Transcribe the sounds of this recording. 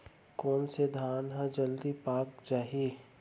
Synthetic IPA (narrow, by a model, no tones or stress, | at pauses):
koːnsed̪ʱaːnɦãd͡ʒɐld̪ipaːk̚d͡ʒaːɦi